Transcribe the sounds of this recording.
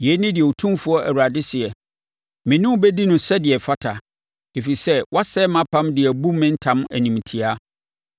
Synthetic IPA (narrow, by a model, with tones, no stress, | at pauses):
jɛ˨˦nɪ̃˦dɪ˨ɛ˨o˨tʰũ˦fʊ˦ɔ˦ʔæ̰˨wu˨a˨dɪ˦sɪ˨ɛ˨ | mɪ̃˨nʊ̃˦bɛ˦di˦nʊ̃˨sɛ˦dɪ˨ɛ˨fa˦tʰa˨ | e˨fi˨sɛ˦wʔa˦sɛ˦mã˦pʰã˦mdɪ˨æ˨bu˦mɪ̃˦n̩˦tʰã˦m˦æ̰˨nĩ˨m˨tʰi˨a˦